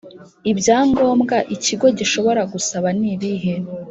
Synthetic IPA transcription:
ibɟaːŋɡo̞ːmɡaʔiciɡo̞ɟiʃo̞βo̞ɾaɡusaβaniβiɦe

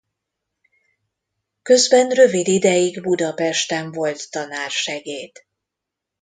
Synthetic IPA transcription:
kø̞zbɛnrø̞vid̪id̪ɛjiɡbud̪ɒpɛʃt̪ɛɱvo̞lt̪ːɒnaːrʃɛɡeːt̪

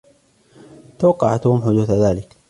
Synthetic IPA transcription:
t̪awɑqːɑʕat̪uːmħʊd̪uːθðaːlɪk

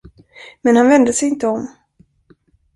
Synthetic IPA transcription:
mɛnhanvɛnd̪əsɛjɪnt̪əɔm

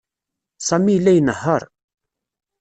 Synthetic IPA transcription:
sɑmilːæjnəhːəɾˤ

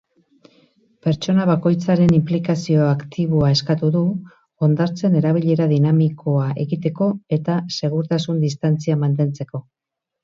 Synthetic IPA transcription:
pe̞ɾt͡ʃo̞naβ̞ako̞jt͡saɾe̞nimplikasio̞akt̪iβ̞oae̞skat̪uðu | o̞nd̪aɾt͡se̞ne̞ɾaβ̞iʎe̞ɾaðinamikʰo̞aʔe̞ɣit̪e̞ko̞e̞t̪ase̞ɣ̞uɾt̪asund̪ist̪ant͡siamant̪e̞nt͡se̞ko̞

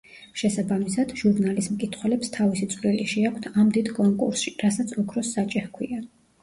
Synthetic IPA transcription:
ʃɛsabamisad̪̥ʒuɾnalismkʼit̪ʰχwɛlɛpst̪ʰavisit̪sʼliliʃɛakʷʰt̪ʰamd̪id̪kʼɔŋkʼṵɾsʃiɾasat̪sʰɔkʰɾɔsːat͡ʃʼɛhkʰwia

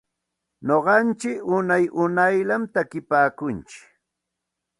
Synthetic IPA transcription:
noɢɑnt͡ʃɪkʊnajʔʊnajlamt̪akɪpaːkʊnt͡ʃɪ̥k

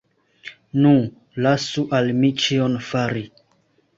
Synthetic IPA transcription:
nũ | lasuʔalmit͡ʃionfaɾi

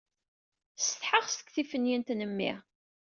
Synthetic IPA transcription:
st̪ħəʁst̪ə̥kːθifənjint̪nəmːɪ̰ʁ

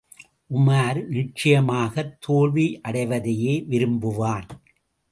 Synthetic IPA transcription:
ʔʊmaːɾnɪʈ̚t͡ʃɪjɐmaːɣɐt̪ʰːoːɭʋiʔɐɽɐɪʋɐðɐjeːʋɪɾɯmbɯʋaːn

